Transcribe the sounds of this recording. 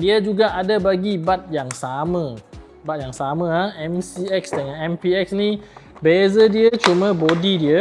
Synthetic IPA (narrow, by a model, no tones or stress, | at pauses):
diəd͡ʒuɡaʔadabaɡibat̪̚jaŋsamə̃ | bat̪̚jaŋsamə̃aɛmsiɛksdəŋanɛmpiɛksni | bezədiət͡ʃumə̃bodidiə